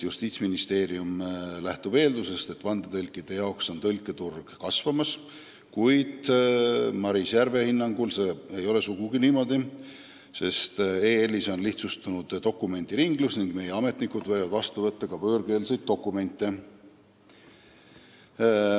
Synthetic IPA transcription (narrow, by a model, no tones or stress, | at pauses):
just̪iːt̪sminist̪e̞ːɾiumlæht̪ub̥e̞ːld̪use̞st̪e̞t̪ːˑvɑnd̪et̪ɤlʲkːˑid̪̥e̞jɑokso̞nt̪ɤlʲkːˑe̞t̪urɡ̥kɑsvɑmɑs | kujd̪̥ | mɑɾisjærve̞hinːɑŋɡ̥ulse̞ːejo̞le̞suɡ̥uɡ̥iniːmo̞d̪̥i | se̞st̪e̞ːelːiso̞nliht̪sust̪unud̪̥t̪o̞kːˑume̞nʲd̪̥iɾiŋɡ̥lusniŋɡ̥me̞jeɑme̞t̪nikud̪̥vɤ̞jvɑd̪vɑst̪uvɤt̪ːɑkɑpøːrɡe̞ːlisejd̪̥̚ːo̞kːˑume̞nʲt̪ˑːe̞